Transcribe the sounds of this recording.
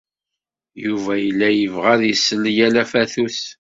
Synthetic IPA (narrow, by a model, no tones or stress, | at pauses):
juvæjəlːæjəvʁæðjəsːəlːjælæfæθuθ